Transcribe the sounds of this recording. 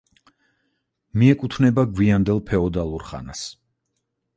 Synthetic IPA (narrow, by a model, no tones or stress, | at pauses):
miɛkʼut̪ʰvnɛbaɡwiand̪ɛlˠpʰɛɔd̪alˠuɾχa̰nas